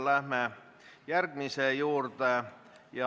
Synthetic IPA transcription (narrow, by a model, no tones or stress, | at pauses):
læhmæ | jærɡ̥misejuːrt̪e | jɑ